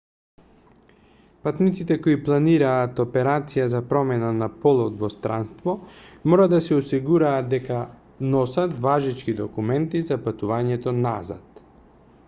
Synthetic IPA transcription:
pat̪nit̪sit̪ɛkoiplˠaniɾaːt̪ɔpɛɾat̪sijazapɾɔmɛnanapɔlˠɔt̪vɔst̪ɾanst̪vɔmɔɾad̪asɛɔsiɡuɾaːd̪̚d̪ɛka | nɔsat̪vaʒit͡ʃkid̪ɔkumɛnt̪izapat̪uvaɲɛt̪ɔnaza̰t̪

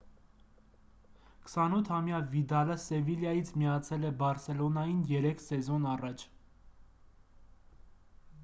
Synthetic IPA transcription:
kʰə̥sɑnut̪ʰhɑmjɑvid̪ɑləsɛviljɑjit͡sʰmijɑt͡sʰɛlɛbɑɾsɛlɔnɑjinjɛɾɛkʰsɛzɔnɑrɑt͡ʃʰ

